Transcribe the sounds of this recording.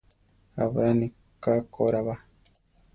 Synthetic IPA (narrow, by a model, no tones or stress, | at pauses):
a̰βɾani | kakoɾaβa